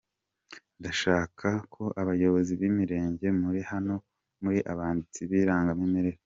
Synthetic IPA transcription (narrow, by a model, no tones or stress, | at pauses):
ndaʃaːkʰakʰo̞ʔaβajo̞βo̞ziβiːmiɾe̞ːɲɟe̞muɾihano̞ | muɾiʔaβaːndit͡siβiːɾaːŋɡamimiɾe̞ɾ